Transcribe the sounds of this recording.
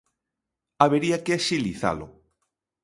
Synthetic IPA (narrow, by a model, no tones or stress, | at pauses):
aβeɾiakeaʃiliθa̰lʊ̰